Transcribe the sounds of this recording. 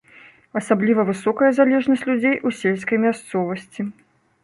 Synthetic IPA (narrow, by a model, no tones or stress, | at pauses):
ɐsablʲivɐvɨsɔkɐjɐzalʲɛʐnɐsʲt͡sʲlʲud͡zʲejʔusʲelʲskɐjmʲast̪sɔvɐsʲt͡sʲi